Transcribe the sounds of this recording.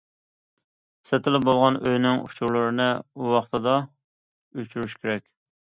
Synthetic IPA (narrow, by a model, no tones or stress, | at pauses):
sɛt̪ʰɪlɪp̚bolˠʁɑnøjnɪŋṵt͡ʃʰuɾlˠɨɾɨnɨuwɑχt̪ʰɨd̪ɑ | øt͡ʃʰyɾyʃkʲʰeɾɛkʲ